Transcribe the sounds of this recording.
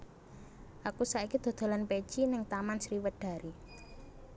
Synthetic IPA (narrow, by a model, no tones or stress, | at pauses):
ʔakusaikid̪̥o̤d̪̥o̤lanpet͡ʃinɪŋt̪amansɾiwəɖ̪̥a̤ɾi